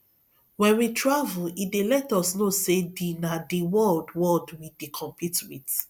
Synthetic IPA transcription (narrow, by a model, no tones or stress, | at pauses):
wɛ̃nwitʰɹavulidelɛtɔsnosedinadiwɔldwɔldwidikʰɔ̃mpʰitmĩt